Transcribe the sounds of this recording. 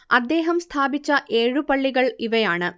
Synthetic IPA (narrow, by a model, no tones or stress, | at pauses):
ɐd̪ːeːɦɐmst̪ʰaːbit͡ɕːɐʔeːɻupɐɭːiɣɐɭiʋɐjaːɳɨ